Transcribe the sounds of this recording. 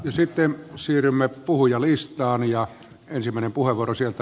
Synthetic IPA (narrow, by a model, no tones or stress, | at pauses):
jɑsit̪ːensiːrymːepuhujɑlist̪ˑɑːnjɑ | ensimːˑæˑenempuheʋuorosielt̪æ